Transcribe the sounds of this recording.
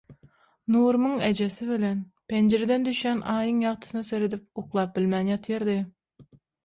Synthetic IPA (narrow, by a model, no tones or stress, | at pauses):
nuːɾmɯŋed͡ʒesɪβilenpʰend͡ʒeɾed̪ɛnd̪yʃjænʔɑːjɯŋjɑʁt̪ʰɯ̥sɨnɑseɾed̪ɪp̚uqlˠɑːp̚bɪlmænjɑt̪ʰjeɾd̪ɨ